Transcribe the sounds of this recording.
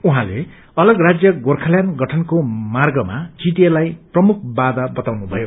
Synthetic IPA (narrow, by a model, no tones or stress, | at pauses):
uɦãlḛ | ʌlʌɡrad͡zjʌɡorkʰaljanɡʌʈʰʌnkomarɡʌma̰t͡siʈielajprʌmuk̚ʰbad̪ʌbʌt̪awnubʱʌjo